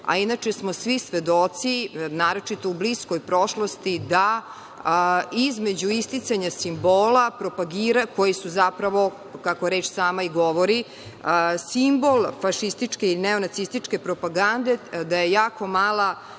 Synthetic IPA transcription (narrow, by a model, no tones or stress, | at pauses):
a̰inat͡ʃesmo̞sʋisʋed̪ot̪sinaːɾot͡ʃit̪oublisko̞jpɾo̞ʃlost̪id̪a | izme̞d͡ʑuist̪it̪saɲasimboːlapɾo̞paɡiːɾako̞jisuzapɾaʋo̞ | kakoɾeːt͡ʃsaːmaiɡo̞ʋoɾi | simbo̞lˠfaʃist̪it͡ʃkeineo̞nat̪ist̪it͡ʃke̞pɾo̞paɡand̪e̞d̪ajejaːko̞maːlˠa